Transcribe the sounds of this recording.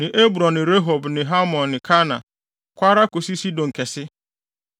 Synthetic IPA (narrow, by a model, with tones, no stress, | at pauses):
nɪ̃˨ʔe˦bɾɔ̃˨nːɪ̃˨ɾe˦ɦo˨bnɪ̃˨ɦa˦mɔ̃˨nːɪ̃˨kʰa˦nã˨ | kʷa˦ɾa˦ko˨si˦si˦dɔ̃˨ŋ̩˨kʰɛ˨sɪ˦